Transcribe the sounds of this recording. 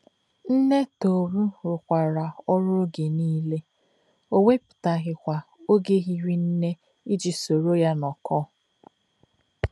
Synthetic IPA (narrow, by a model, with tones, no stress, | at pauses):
n̩˦ne˦to˨ɾu˦ɾʊ˨kʷa˨ɾa˨ɔ˦ɾʊ˦o˦ɡe˨niː˦le˦ | o˦ŋʷe˦pʊ̥˨ta˨ɣɪ˨kʷa˨ | o˦ɡe˦ɣi˦ɾi˦n̩˦ne˦ | i˦d͡ʒi˨so˨ɾo˦ja˦nɔ˨kɔ˦˨